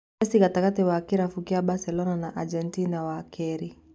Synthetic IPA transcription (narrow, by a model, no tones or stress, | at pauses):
ɛsikatakatiwakiɾafukiaɓasɛlɔnanaʔad͡ʒɛntinawakʰɛɾi